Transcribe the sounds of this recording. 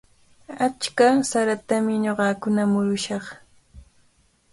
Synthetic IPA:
at͡ʃkasaɾat̪amɪɲoɢɑkʊnamʊɾʊʃɑχ

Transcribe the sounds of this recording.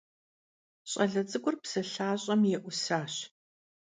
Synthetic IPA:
ɕʼɐɮɐt͡sʼɨɡʷʊrpsɐɬaːɕʼɐmjɛʔʷʊsaːɕ

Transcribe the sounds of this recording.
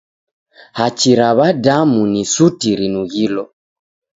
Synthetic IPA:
hat͡ʃiɾaβadamunisutiɾinuɣilɔ

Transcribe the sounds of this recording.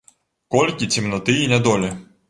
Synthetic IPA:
kɔlʲkʲit͡sʲimnɐt̪ɪinʲɛd̪ɔlʲi

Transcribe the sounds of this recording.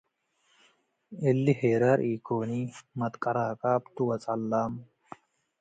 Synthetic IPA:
elːiheːɾɐɾʔiːkoːniːmɐt̪kʼɐɾaːkaːpt̪uwɐt͡sʼɐlːaːm

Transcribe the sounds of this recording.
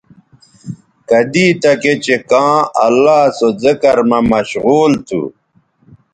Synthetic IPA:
kɐd̪iːt̪ɐket͡ɕekãːɐ̰lːaːsozɐkɐɾmɐmɐɕɣuːlt̪ʰṵ

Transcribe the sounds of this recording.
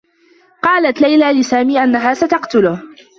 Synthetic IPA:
qɑːlat̪lajlaːlɪsaːmiːʔanːaɦaːsat̪ɑqt̪ʊlʊh

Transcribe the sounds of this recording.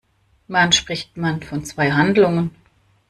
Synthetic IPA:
manʃpʁ̥ɪçtmanfɔnt͡sv̥aɪɦandlʊŋən

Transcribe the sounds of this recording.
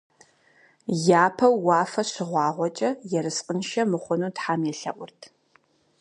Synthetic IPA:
jaːpʰɐwːɑːfɐɕɪʁʷɑːʁʷɔt͡ʃʼɐjɛɾɨsqʼənʃɐmɨχʷʊnuːtħaːmɛɬɐʔʷʊrtʰ

